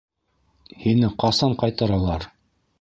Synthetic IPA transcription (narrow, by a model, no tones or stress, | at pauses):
hinɘqɑsɑɴqɑjt̪ɤ̆ɾɑlˠɑɾ